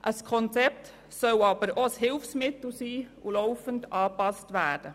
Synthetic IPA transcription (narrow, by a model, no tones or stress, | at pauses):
ʔəskʰɔnt͡sɛp̚t | sœwɑb̥əɾoəshɪlfsmɪt̪l̩siːulɔʊfəndɑːpɑstʋæːd̥ə